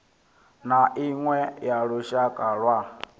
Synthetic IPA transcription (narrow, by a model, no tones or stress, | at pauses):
naʔiŋwɛjaɺuʃakʼaɺwa